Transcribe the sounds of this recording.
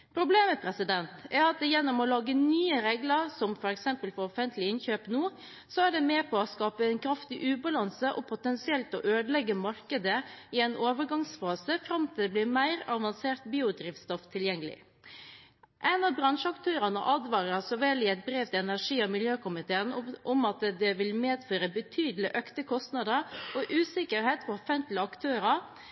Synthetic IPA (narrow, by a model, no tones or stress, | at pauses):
pʰɾʊbleːməpʰɾɛsɪd̪ɛnt̪æɑt̪̚d̪ɛjɛnːɔmɔlɑːɡənyːəɾeːɡləɾsɔmfɔɾɛksɛmpəlfɔɾɔfɛnt̪lɪɪnçøːpnuː | sɔæɖɛmeːpʰɔɔskɑːpəɛnkʰɾɑft̪ɪʔʉːbɑlɑnsəʔɔpʰʊt̪ɛnsɪɛlt̪ɔʔøːd̪lɛɡːəmɑɾkəd̪əɪɛnʔoːʋəɾɡɑŋsfɑːsəfɾɑmt̪ʰɪːd̪blɪɾmæɪɾɑʋɑnseːɾt̪biːʊd̪ɾiːft̪st̪ɔft̪ʰɪljɛŋːəlɪ̰ | ʔæɪnɑbɾɑnʂəɑkt̪ʰøːɾɑnə̰ʔɑd̪ʋɑːɾəɑsɔʋɛlɪɛɪt̪̚bɾeːʋt̪ɪɛnæʂiːɑmɪljøːkʊmɪt̪ʰeːənʔɔmɑt̪d̪ɛʋɪlmeːd̪føːɾəbət̪ʰyːd̪lɪʔøkt̪əkʰɔst̪nɑd̪əɾɔʔʉːsɪkəɾheːt̪fɔɾɔfɛnt̪lɪɑkt̪ʰøːɾɑ